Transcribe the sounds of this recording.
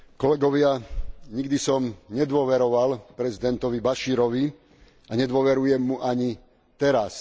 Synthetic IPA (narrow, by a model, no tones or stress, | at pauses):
kɔlɛɡɔʋɪaɲiɡd̪isɔmɲɛd̪ʋʊɔʋɛɾɔʋalpɾɛzid̪ɛnt̪ɔʋibaʃiːɾɔʋi | aɲɛd̪ʋɔʋɛɾujɛmːuʔaɲi | t̪ɛɾas